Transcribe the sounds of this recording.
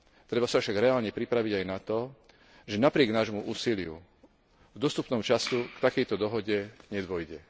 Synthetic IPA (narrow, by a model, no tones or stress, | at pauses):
t̪ɾɛbafsafʃaɡɾɛaːlɲɛpɾipɾaʋiɟajnat̪ɔ | ʒɛnapɾɪɛɡnaːʒmuʔuːsilɪṵ | ɡd̪ɔst̪upnɔmt͡ʃasukt̪akɛjt̪ɔd̪ɔɦɔɟɛɲɛd̪ʋɔjɟɛ